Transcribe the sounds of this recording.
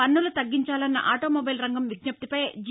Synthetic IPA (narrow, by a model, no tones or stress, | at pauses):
ɐnːulut̪ɐɡːiɲt͡ʃaːlɐnːɐ̰ʔaːʈoːmobɐjlɾɐŋɡɐmʋid̪nɐp̚t̪ipɐjd͡ʒ